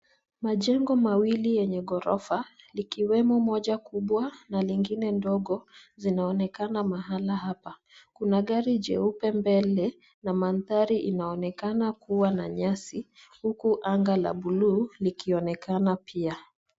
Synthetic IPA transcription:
maʄɛŋɡɔmawilijɛɲɛɠɔɾɔ̰fa | likiwɛmɔmɔʄakuɓwanaliŋɡinɛndɔɠɔzinaɔnɛkanamaɦalaɦapa | kunaɠaɾiʄɛ̰upɛmbɛlɛ | namanθaɾiʔinaɔnɛkanakuwanaɲasihukuʔaŋɡala̰ɓuluːlikiɔnɛkanapʰia

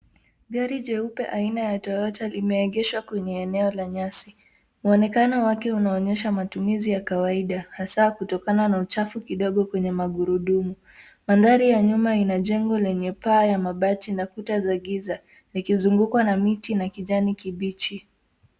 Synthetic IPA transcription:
ɠaɾiʄɛupɛ̰ʔainajatɔɔtalimɛːɠɛʃwakwɛɲɛːnɛɔlaɲasi | uɔnɛkanɔwakɛunaɔɲɛʃamatumizijakawaiɗahasakutɔkananaut͡ʃafukiɗɔɠɔkwɛɲɛmaɠuɾuɗumu | manðaɾijaɲumainaʄɛŋɡɔlɛɲɛpaːjamaɓatinakutazaɠiza | likizuŋɡukwanamitinakiʄanikiɓit͡ʃi

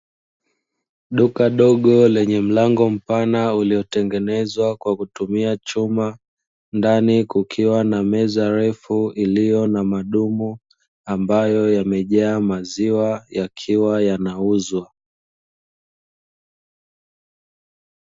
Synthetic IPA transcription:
ɗukaɗɔɠɔlɛɲɛm̩laŋɡɔm̩panauliɔtɛŋɡɛnɛzwakwakutumiat͡ʃuma | ndanikukʰiwanamɛzaɾɛfuilijɔnamaɗumu | ambajɔjamɛʄaːmaziwajakʰiwajanauzwa

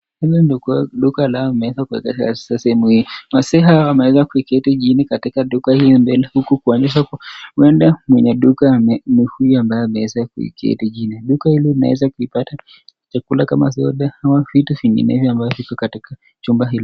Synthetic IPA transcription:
hilindɔkuaɗukaːlaɔimɛɛzakuɛ̰kaasḁsasɛhɛmuhimasɛɦaɔwamɛɛzakuikɛtiʄinikatikaɗukahilimbɛlɛhukukuɔniʃ̬akwɛndamwɛɲɛɗukamɛnihujiambajɔamɛɛzakuḭkɛ̰tiʄiniɗukahililina̰wɛ̰zakuipata | t͡ʃakulakamasɔɗahawavitufiŋɡḭnɛvjɔambajɔvikɔkatika | t͡ʃumbaɦili

